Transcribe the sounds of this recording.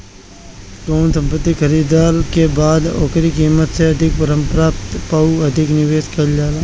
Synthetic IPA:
ʈoːnsə̃mpət̪ːixʰəɾiːd̪aːɾkebaːd̪ɔ̰ːkɾikiːmət̪seɐd̪ʱɪk̚pəɾə̃mpɾaːpt̪pauɐd̪ʱɪknɪʋeːʃkɐld͡ʒaːlaː

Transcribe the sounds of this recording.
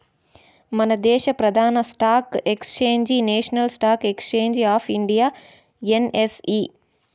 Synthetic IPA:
mɐnɐd̪eːʃɐpɾɐd̪ʱaːnɐsʈaːkekst͡ʃeːɲd͡ʒineːʃnɐlsʈaːkekst͡ʃeːɲd͡ʒaːpʰiɳɖijaː | enesi

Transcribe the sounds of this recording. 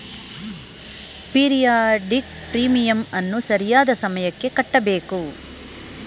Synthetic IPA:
piːɾijaːɖik̚ | pɾiːmijɐmɐnːusɐɾijaːd̪ɐsɐmɐjɐkːe̞kɐʈːɐbeːku

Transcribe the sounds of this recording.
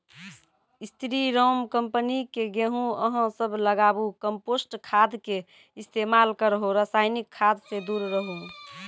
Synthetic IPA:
ist̪ʰɾiɾomkəmpənikeɡeɦũəɦə̃səbʱləɡabukəmposʈkʰad̪ke | ist̪emalkəɾɦoɾəsajnikʰːad̪ʱsed̪uɾɾəɦũ

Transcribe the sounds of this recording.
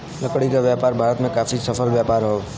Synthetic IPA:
lɐkɽikaʋjaːpaːɾbʱaːɾət̪mẽkaːfisəfʰəlʋjaːpaːɾɦoː

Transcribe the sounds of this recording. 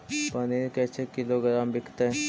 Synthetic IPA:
pəneɾkɛt͡ʃʰekɪloɡɾaːmbɪkʰt̪eɦ

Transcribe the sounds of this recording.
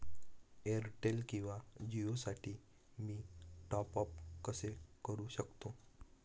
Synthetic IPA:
eɾʈelkĩw̃ʋad͡ʑiosaʈʰiː | miːʈɔpəp̚kəsekəɾuːɕəkt̪o

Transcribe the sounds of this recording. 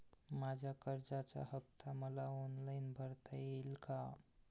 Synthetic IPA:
mad͡ʑʱakəɾd͡zat͡ɕa̰həp̚t̪ʰaməlaɔnlainbʱəɾt̪ajelka

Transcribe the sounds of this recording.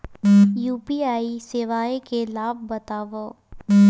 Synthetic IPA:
juːpiaːisɪʋaːekelaːb̚ːɐt̪aːʋoː

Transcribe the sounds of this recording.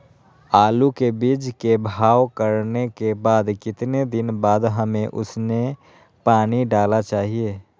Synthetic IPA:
aːlukebiːd͡ʒkebʱaːwkəɾnekebaːd̪kɪt̪ned̪ɪnbaːd̪ɦəmẽʔʊ̰sne | paːniɖaːlat͡ʃaːɦie

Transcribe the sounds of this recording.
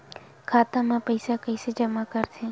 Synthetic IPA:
kʰat̪amãpəjsakəjsed͡ʒəmakəɾt͡ʃʰe

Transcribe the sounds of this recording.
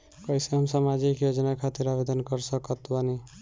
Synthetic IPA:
kʌjseɦəmsamad͡ʒikjod͡ʒənakʰat̪iɾabed̪ənkʌɾsəkət̪bani

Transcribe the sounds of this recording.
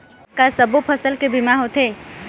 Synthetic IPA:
kasəbopʰəsəlkebɪmaɦot̪ʰeː

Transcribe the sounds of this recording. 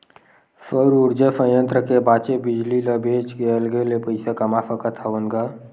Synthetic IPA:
səɾʊɾd͡ʒəsə̃jə̃nt̪ɾəkebaːt͡ʃebɪd͡ʒliləbʱeːt͡ʃɡeəlɡelepəɪsakəmafəkət̪ʰaʋənɡa

